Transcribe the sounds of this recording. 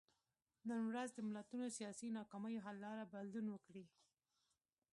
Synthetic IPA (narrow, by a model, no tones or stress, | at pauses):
nənwɾazd̪əmɪlat̪unosijɑsinɑkɑməjoɦalːɑɾabad̪lunwəkɽi